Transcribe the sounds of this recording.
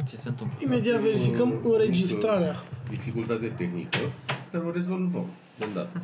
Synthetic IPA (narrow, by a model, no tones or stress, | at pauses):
t͡ʃesent̪ɨmime̞d̪iat̪ve̞ɾifikəmɨnɾe̞d͡ʒist̪ɾaɾead̪ifikult̪at̪et̪exnḭkəkaɾoɾe̞zolvə̰m | d̪ond̪a̰t̪ə